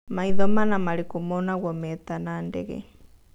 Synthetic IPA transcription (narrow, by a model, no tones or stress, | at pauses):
maiðɔmanamalikumɔnaɣwɔmɛt̪anandɛɣɛ̰